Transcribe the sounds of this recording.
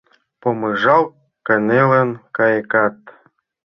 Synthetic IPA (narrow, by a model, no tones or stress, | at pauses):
pomɤ̆ʒɑw | kə̆nelə̆nkɑjəkɑt̪